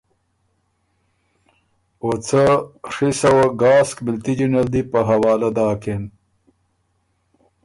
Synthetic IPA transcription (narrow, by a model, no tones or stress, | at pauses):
ot͡sɐʂisɐwɐɡaːskmilt̪id͡ʑunɐld̪ipəɦɐwaːlɐd̪aːken